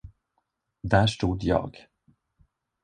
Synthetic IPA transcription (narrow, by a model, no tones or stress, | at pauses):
d̪æːʂʈuːd̪jɑ̰ːɡ